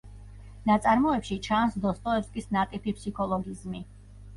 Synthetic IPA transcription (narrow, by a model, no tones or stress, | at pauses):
nat̪sʼaɾmɔɛpʃit͡ʃʰansd̪ɔst̪ʼɔɛpskʼisnat̪ʼipʰipʰsikʰɔlˠɔɡizmi